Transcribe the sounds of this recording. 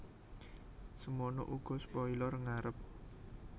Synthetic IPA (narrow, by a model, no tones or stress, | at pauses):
səmɔnɔ̰ʔuɡ̥ɔ̤spɔilɔrŋaɾəp̚